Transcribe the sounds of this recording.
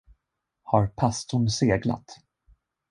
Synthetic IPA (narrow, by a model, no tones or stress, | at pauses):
haɾpʰast̪ʊɳseːɡla̰t̪